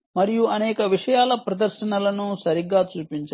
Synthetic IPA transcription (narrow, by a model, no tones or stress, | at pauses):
mɐɾijuɐnɛːkɐʋiʂɐjaːlɐpɾɐd̪ɐɾʃɐnɐlɐnusɐɾiɡːaːt͡ʃuːpiɲt͡ʃa